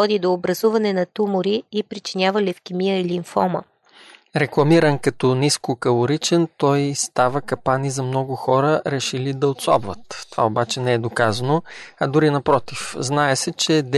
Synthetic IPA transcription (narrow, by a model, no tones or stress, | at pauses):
ɔd̪id̪oːbɾɐzuvɐnɛnɐt̪umʊɾiːpɾit͡ʃinʲavɐlɛfkimijəiliːnfɔmə̰ | ɾɛklˠɐmiɾənkɐt̪ɔniskokɐlˠoɾit͡ʃɛnt̪ɔjst̪avəkɐpanizɐmnɔɡʊxɔɾəɾɛʃilid̪ɐot̪sˠɔ̰bvət̪t̪ːova̰obat͡ʃɛnɛɛd̪okazɐnoɐd̪ʊɾinɐpɾɔt̪ifznaɛsɛt͡ʃɛd̪